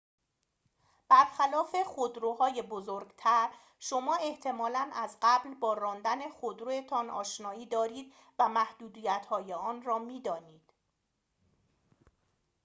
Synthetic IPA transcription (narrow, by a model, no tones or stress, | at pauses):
b̥æɾxælɒːfe̞χod̪ɾohɒːje̞bozoɾɡt̪ʰæɾ | ʃo̞mɒːe̞ht̪ʰe̞mɒːlænʔæzɢæblbɒːɾɒːnd̪æne̞xod̪ɾoet̪ʰɒnʔɒːʃnɒːiːd̪ɒːɾiːd̪ | væmæhd̪uːd̪iːjæt̪hɒːjeɒːnrɒːmiːd̪ɒːniːd̪̥